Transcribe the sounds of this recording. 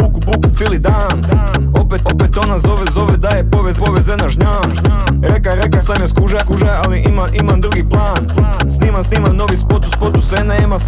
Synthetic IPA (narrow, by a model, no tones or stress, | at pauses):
bukubukut̪seːlˠid̪aːn | opeopet̪o̞nazoʋezo̞ʋed̪ajepoʋezpoʋezenaʒɲaːn | ɾekaɾekasamjaskuʒakuʒajaliʔimaʔimand̪ɾuɡiplˠaːn | sniːmansniːmano̞ʋispot̪u̥spot̪usenaima